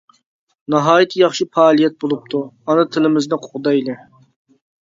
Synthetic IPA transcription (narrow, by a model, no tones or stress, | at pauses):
nɑɦɑːjit̪ʰjɑχʃipɑːlˠijɛt̪̚bolˠup̚t̪ʰuɑnɨt̪ʰɪlɪmɪznɪqʰo̥qʊd̪ɑjilɪ